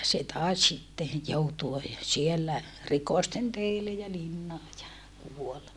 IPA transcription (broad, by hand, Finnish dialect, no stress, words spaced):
se tɑˑi̯s sitːe joutuɑ sielːæ rikɔsten teilːe jɑ linːɑː jɑ kuol